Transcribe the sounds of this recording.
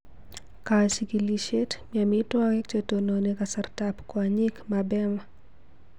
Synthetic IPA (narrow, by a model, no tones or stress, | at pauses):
kasikiliʃɛtmiamitwawɛkt͡ʃɛtɔnɔnɛkasaɾtapkwaɲikmabɛma